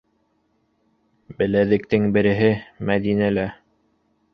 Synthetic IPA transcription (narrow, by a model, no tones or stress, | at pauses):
bɘ̆læðɘ̆kt̪ɘŋbɘ̆ɾɘ̆ɦɘmæðinælæ